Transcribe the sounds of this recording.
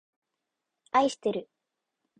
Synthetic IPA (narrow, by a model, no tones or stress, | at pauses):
aiɕi̥t̪eɾɯ̟